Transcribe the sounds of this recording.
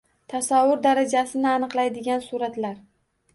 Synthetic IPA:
t̪ʰasavːʊɾd̪aɾad͡ʒasɪnɪanɨqlˠajd̪ɪɡʲansuɾat̪laɾ

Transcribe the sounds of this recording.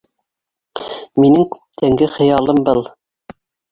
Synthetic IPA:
minɘŋkʉ̥p̚t̪ʰæŋɡɘχɤ̆jɑlˠɤmbɤlˠ

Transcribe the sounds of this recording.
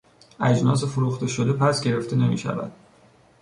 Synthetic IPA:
æd͡ʒnɒːs̬efoɾuːxt̪e̞ʃo̞d̪e̞pʰæsɡe̞ɾe̞ft̪ʰene̞mḭːʃæ̰væ̰d̪̥̚

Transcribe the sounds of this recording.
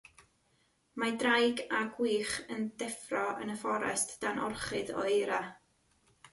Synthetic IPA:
madrajɡaɡwiːχənd̥ɛfrɔə̰nəfɔɾɛ̰std̥anɔ̰rχɨðɔ̰ejɾa

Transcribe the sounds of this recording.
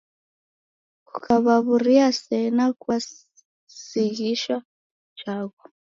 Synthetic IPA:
kukʰʼaβaβuriasɛnakʼwa | siɣiʃa | d͡ʒaːkɔ

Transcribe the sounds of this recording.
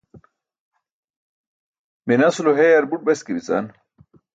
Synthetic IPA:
minɐsuloɦejɐɾbuʈ̚bɐskibit͡sa̰n

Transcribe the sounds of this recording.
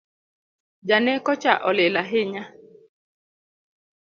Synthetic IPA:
d͡ʒanekɔt͡ʃaʔɔlɪlaɦɪɲa

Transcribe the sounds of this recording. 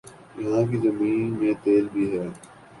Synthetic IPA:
jɐɦãːkiːzəmiːnmẽːt̪eːlbʱiːɦɛː

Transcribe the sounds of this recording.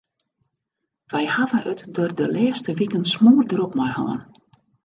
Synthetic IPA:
ʋɛjhavəʔətdordəlɛːstəʋikənsmuːrdəɾɔpmɔjhɔ̰ːn

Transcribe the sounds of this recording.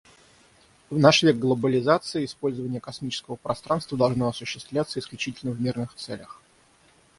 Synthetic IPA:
vnaʂvʲeɡ̚ɡlˠəbəlʲɪzat̪sɨɪɪspo̞lʲzəvənʲɪjəkɐsmʲit͡ɕɪ̥skəvəpɾɐst̪ɾanst̪vəd̪ɐlˠʐnoɐsʊɕːɪ̥st̪vlʲat̪səɪsklʲʉt͡ɕitʲɪlʲnəvmʲirnɨxt̪sɛlʲəx

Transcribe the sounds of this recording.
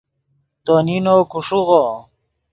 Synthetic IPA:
t̪oninokuʂuʁo

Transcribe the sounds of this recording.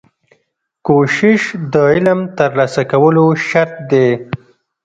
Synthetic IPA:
koʃɪʃd̪əɪlamt̪əɾlasakawəloʃaɾt̪̚d̪e

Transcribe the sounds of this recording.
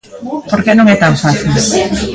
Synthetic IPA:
poɾkenuŋet̪awsasi

